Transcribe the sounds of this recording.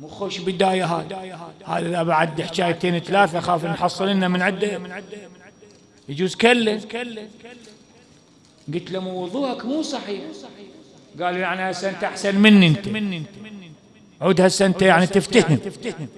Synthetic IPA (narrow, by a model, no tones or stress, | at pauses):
muːxoːʃbɪd̪aːjaɦaːjha̰ːjʔɪðabaʕad̪ːɪħt͡ʃaːjt̪eːnwθalaːθaxaːfnħɑsˤːɨlɪnːamɪnʕɪd̪ːad̪ː | jd͡ʒuːzkalːakl | ɡɪt̪lamuwʊðˤuːʔakmuːsˤɑħiːħ | ɡaːlujaʕniasːant̪ʔaħsanmɪnːiɪnt̪at̪ | ʕuːd̪hasːant̪ajaʕnit̪ɪft̪ahɪmfm